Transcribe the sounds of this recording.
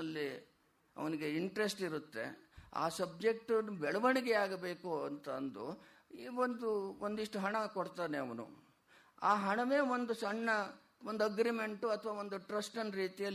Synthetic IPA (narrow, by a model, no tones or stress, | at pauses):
ɐlːi | ɐ̰ʋɐniɡe̞iɳʈɾe̞sʈiɾut̪ːe̞̰a̰ːsɐb̚d͡ʒe̞k̚ʈunbɛɭɐʋɐɳiɡɛaːɡɐbe̞ːkuɐnt̪ɐːnd̪ṵ | iːʋond̪uond̪iʂʈuɦɐɳɐkoɽt̪aːneɐʋɐnṵ | aːɦɐɳɐʋe̞ːʋo̞nd̪usɐɳːɐ | ʋond̪uɐɡɾime̞ɳʈuɐt̪ʰɐʋaːʋo̞nd̪uʈɾɐsʈɐnɾiːt̪ijɐl